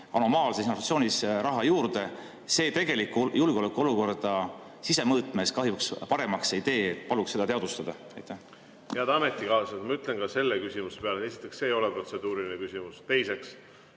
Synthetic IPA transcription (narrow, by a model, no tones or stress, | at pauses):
ɑno̞mɑːlsesinovɑt̪sio̞ːnʲisrɑɦɑjuːrd̪e̞ | se̞ːt̪e̞ɡ̥e̞likːˑujulɡ̥o̞lekːˑuo̞luko̞rd̪̥ɑ | sise̞mɤːt̪ˑmeskɑɦjukspɑɾe̞mɑkseit̪e̞ːet̪̚ːpɑlukse̞d̪ɑt̪eɑd̪ust̪ɑd̪̥ɑ | ɑjt̪ːˑæh | jæd̪ɑmet̪ːˑikɑoset̪mɑyt̪ˑlenkɑse̞lːekysʲimusepeɑleesi̥t̪ˑːeksse̞ːjo̞lepro̞t̪se̞d̪̥uːɾilinekysʲimust̪e̞jse̞ks